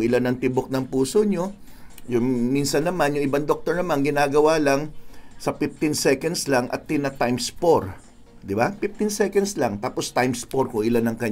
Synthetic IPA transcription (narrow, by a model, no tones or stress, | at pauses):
ŋʔɪlanɐŋt̪ɪbok̚nɐŋpuːsoɲo̞ | jʊŋminsɐnːɐmanjʊŋʔɪbaŋd̪ok̚t̪oɹnɐmanɡɪnaːɡɐwaːlɐŋsɐfɪft̪ɪnsɛkɐnd̪slaŋʔɐ̰t̪ːɪnɐt̪ajmspoɹ | d̪ɪbapɪf̚t̪ɪnsɛkɐnd̪slaŋt̪aːpo̞st̪ajmspoɾkʊŋʔɪlanɐŋkɐɲ